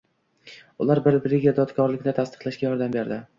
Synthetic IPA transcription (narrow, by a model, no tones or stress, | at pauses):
ʊ̰laɾbɪɾbɾɪɡʲad̪ɒt̪kʰɒɾlɪkʲnɪt̪ʰast̪ɨ̥qlaʃɡʲajɒɾd̪ambe̞ɾd̪ɪ